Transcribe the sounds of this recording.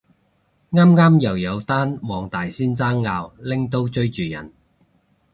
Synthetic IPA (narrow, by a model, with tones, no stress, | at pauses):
ŋaː˥mŋaː˥mjɐ˨˩wjɐ˨˧wt̪aː˥nwɔː˨˧ŋt̪aː˨jsiː˥nt͡saː˥ŋːaː˧wlɪ˥ŋt̪o˥wt͡ʃɵ˥ɥt͡ʃyː˨˩jɐ̰˨˩n